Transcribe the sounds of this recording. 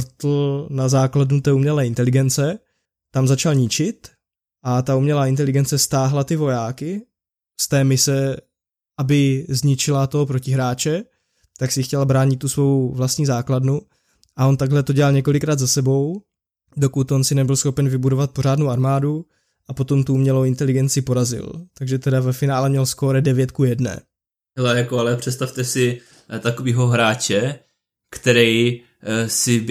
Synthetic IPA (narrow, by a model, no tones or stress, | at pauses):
t̪l̩nazaːkladnut̪ɛːumɲɛlɛːɪnt̪ɛlɪɡɛnt͡sɛ | t̪amzat͡ʃalɲɪt͡ʃɪt̪ | ʔat̪aumɲɛlaːɪnt̪ɛlɪɡɛnt͡sɛst̪aːɦlat̪ɪvo̞jaːkɪ | st̪ɛːmɪsɛ | ʔabɪzɲɪt͡ʃɪlat̪oɦopɾo̞cɪɦɾaːt͡ʃɛ | t̪aksɪxcɛlbɾaːɲɪt̪ːusvo̞wvlast̪ɲiːzaːkladnu | ʔaʔo̞nt̪aɡɦlɛt̪oɟɛlalɲɛko̞lɪkɾaːd̪zasɛbo̞w | do̞kut̪onsɪnɛbɪlsxopɛnvɪbudo̞vat̪̚po̞ɾ̝aːdno̞wʔaɾmaːdu | ʔapo̞t̪o̞mt̪uumɲɛlowɪnt̪ɛlɪɡɛnt͡sɪpo̞ɾazɪ̰lt̪aɡʒɛt̪ɛdavɛfɪnaːlɛmɲɛlskoːɾɛdɛvjɛt̪kujɛdnɛ̰ː | ɦɛlɛjakoalɛpr̝̥ɛt̪st̪aft̪ɛsɪ | t̪akoviːɦoɦɾaːt͡ʃɛ | kt̪ɛɾɛj | sɪ